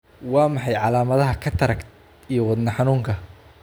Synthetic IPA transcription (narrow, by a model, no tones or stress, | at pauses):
wɑːmɑħɑjʕɑlaːmɐðɐɦɐkʰɐt̪ʰɐɾɐk | ijɔwɑd̪nɐħɑnuːŋkʰɐ